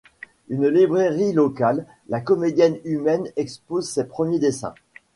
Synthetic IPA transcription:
ynlibʁeʁilɔkalː | akɔmed̪jɛnymɛnɛkspozsepχəmjed̪esɛ̰̃

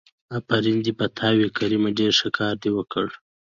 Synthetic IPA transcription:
apaɾind̪ipɐt̪ʰɑːwekaɾimaɖeɾʂakʰɑːɾd̪iwəkəɽ

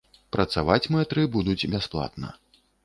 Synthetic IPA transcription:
pɾɐt̪savat͡sʲmɛt̪ɾɨbud̪ut͡sʲbʲasplˠa̰t̪nɐ̰

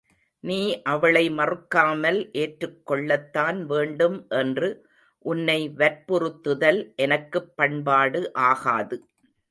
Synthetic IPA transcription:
niːʔɐʋɐɭɐɪmɐrɯkːaːmɐlʔeːʈrɯkːɔɭːɐt̪ːaːnʋeːɳɖɯmʔɛndrɯ | ʔʊnːɐɪʋɐɾpɔrɯt̪ːɯðɐlʔɛnɐkːɯpːɐɳbaːɽɯʔaːɣaːðɯ

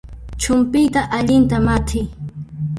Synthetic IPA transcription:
t͡ʃʊmpɪjt̪aʔaʎɪnt̪amat̪ʰɪj

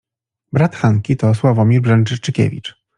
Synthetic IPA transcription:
bɾat̪xaŋkʲit̪ɔswavɔmʲiɾbʐɛnt͡ʂɘt͡ʂɘkʲɛ̰vʲḭt͡ʂ

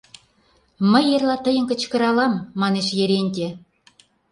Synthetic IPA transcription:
mə̆jerlˠɑt̪ə̆jə̆nkə̆t͡ɕkɤ̆ɾɑlɑmːɑneʃjeɾenʲd̪ʲe

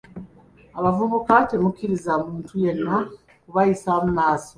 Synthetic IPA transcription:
aβavuβukate̞mukiɾizamuːntʰuje̞nːa | kuβajisamunaːso

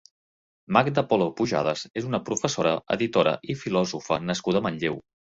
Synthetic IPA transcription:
mak̚d̪əpɔlopuʒa̰ð̞əzezunəpɾufəsoɾəə̰ðit̪oɾə̰ʔifilɔzufənəskuðəməʎʎiw

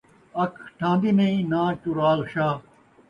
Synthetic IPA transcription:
ɐkʰʈʰãːnd̪inẽĩnãːt͡ʃuɾaːlɕaː

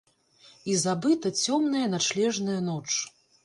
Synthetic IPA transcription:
izabɨt̪ɐt͡sʲɔmnɐjɐnat͡ʂlʲɛʐnɐjɐnɔt͡ʂ

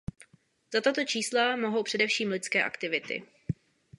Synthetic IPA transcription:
z̥at̪at̪o̞t͡ʃiːslamoɦo̞wpr̥ɛdɛfʃiːmlɪt͡skɛːʔa̰kt̪ɪvɪt̪ɪ̰

